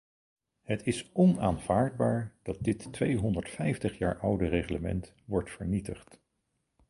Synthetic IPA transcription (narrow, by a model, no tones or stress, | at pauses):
ɦətɪsɔnaːnv̥aːɹd̚baːɹd̥ɑt̚dɪtːʋejɦɔndəɹtfɛjftəχja̰ːɹʔʌwdəreχləmɛ̰nt | ʋɔɹtfəɹnitəχt